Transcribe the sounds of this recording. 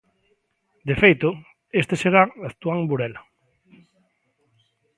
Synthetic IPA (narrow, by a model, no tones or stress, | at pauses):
d̪efejt̪ʊ | est̪eseɾaaθt̪uaŋbuɾɛla